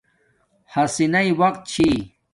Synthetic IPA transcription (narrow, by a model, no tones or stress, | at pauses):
hɐsinɐjwɐqt̪̚t͡ɕʰi